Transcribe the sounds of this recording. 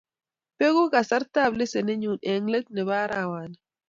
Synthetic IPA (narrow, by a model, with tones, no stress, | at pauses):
pe˦ɡu˦ka˨sa˦ɾta˦˨blɪ˦se˨nɪ˦ɲu˨ne˨ŋle˦t̚ne˨βaː˦ɾʔa˨wa˨nɪ˨